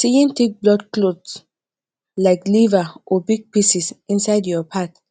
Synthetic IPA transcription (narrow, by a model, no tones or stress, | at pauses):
siĩntʰek̚blɔdklods | laɪklivaʔɔbiɡ̚pisisĩnsaɪdjɔpʰat